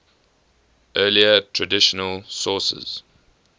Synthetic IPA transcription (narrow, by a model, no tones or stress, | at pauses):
ʔɜːliətʰɹədɪʃənəlsɔːˑsə̰z̥